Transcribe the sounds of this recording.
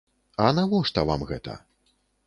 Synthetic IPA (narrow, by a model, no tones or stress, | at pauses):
ɐnavɔʂt̪ɐva̰mɣɛt̪ʰɐ̰